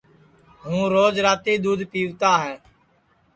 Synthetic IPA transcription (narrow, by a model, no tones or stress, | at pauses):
ɦũːɾoːd͡ʒɾaːt̪iːd̪uːd̪ʱpiːʋt̪aːɦɛː